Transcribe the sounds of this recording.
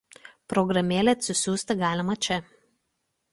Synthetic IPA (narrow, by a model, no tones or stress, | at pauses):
pɾɔɡɾɐmʲeːlʲɛɐt̪ʲsʲɪsʲuːsʲt̪ʲɐɡɑːlʲɪmɐt͡ʃʲɛ